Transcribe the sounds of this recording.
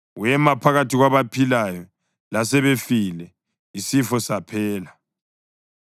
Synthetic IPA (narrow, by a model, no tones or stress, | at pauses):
wjɛmapʰaɣatʰiɣwaβapʰilajɔ | lasɛβefilɛ | isifɔsapʰɛːla